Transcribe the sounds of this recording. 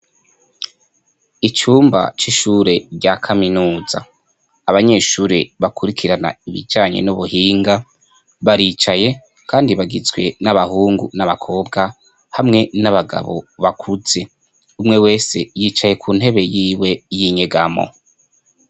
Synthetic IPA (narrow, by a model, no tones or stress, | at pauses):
it͡ʃuːmba̰t͡ʃiʃuɾe̞ɾɟakʰaminuːza̰ː | βaɲe̞ʃuːɾe̞βakʰuɾikʰiɾana̰iβḭd͡ʒaːɲḛnuβuhiːŋɡa | βaɾiːt͡ʃaje̞ | kaːndiβaɡizwe̞̰naβahuːŋɡṵnaβakʰo̞ːbɡa | hamŋe̞naβaɡa̰βo̞̰βakʰuz̥e̞ | umŋe̞we̞ːse̞jit͡ʃaje̞kʰuːnhe̞βe̞jiːwe̞jiɲeɡamo̰